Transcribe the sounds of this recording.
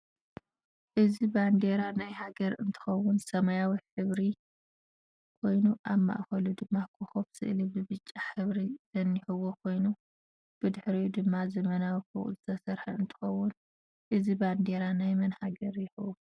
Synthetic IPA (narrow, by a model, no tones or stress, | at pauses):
ʔɨziband̪eɾanajhaɡɐɾɨnt̪ʰɨ̥xɐwːʊnsɐmajawiħɨβɾi | kʰo̞jnuʔaβma̰ʔxɐlud̪ɨmːakʰuxofsɨ̰ʔɨlibɨbɨt͡ʃʼːaħɨβɾiz̥ɐnːiħɨwːokʰo̞jnu | b̥ɨd̪ɨħɾijud̪ɨmːazɐmɐnawifɨ̰ɣʼṵlzɨt̪ʰɐsɐɾħɐɨnt̪ʰɨ̥xɐwːʊn | ʔɨziband̪eɾanajmɐnhaɡɐɾjɪxɨwu